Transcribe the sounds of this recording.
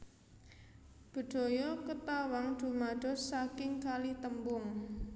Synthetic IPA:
b̥ə̤d̪̥ɔ̤jɔkət̪awaŋd̪̥ṳmad̥ɔ̤sakɪŋkalit̪əmbʊŋ

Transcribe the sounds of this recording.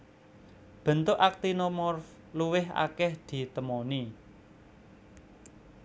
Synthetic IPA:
b̥ə̤nt̪ʊʔak̚t̪inomɔrf | luwɪɦa̰kɛhd̪̥i̤t̪əmɔni

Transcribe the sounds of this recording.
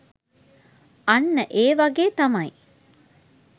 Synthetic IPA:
ɐnːəʔeːʋɐɡeːt̪ɐmɐj

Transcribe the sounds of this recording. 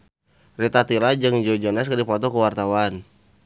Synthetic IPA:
rit̪at̪ilad͡ʒɨŋd͡ʒod͡ʒɔnaskadipɔt̪ɔkəwart̪awan

